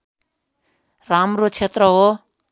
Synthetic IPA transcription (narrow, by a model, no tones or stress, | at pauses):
ramɾot͡ʃʰet̪ɾʌɦo